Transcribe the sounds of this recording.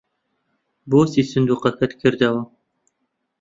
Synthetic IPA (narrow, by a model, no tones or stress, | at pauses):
boːsisɨnd̪uːqɑkʰɐt̪kʰɨɾd̪ɐwɐ